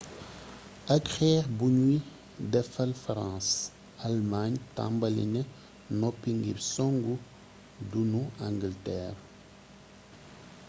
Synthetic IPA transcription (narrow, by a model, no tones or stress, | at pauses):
akxɛːɾbuɲwi | dɛfɐlfɾãːs | almaɲtã̰mbɐlḭnɛ | nɔpiŋɡḭbsɔŋɡu | dunuãŋɡiltɛːr